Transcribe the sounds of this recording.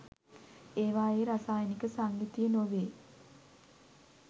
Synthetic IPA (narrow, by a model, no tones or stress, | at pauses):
eːʋaːjeɾasaːjənikəsaŋɡit̪ijənoʋeː